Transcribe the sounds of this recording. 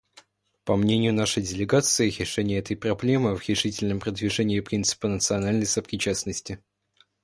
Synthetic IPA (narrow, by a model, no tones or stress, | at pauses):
pɐmnʲenʲɪjʊnaʂəjdʲɪlʲɪɡat̪sɨɪɾʲɪʂɛnʲɪjəɛt̪əjpɾɐblʲe̞mɨvɾʲɪʂɨtʲɪlʲnəmpɾəd̪vʲɪʐɛnʲɪːpɾʲint̪sɨ̥pənət̪sɨɐnalʲnəjsəpɾʲɪt͡ɕasnəsʲtʲɪ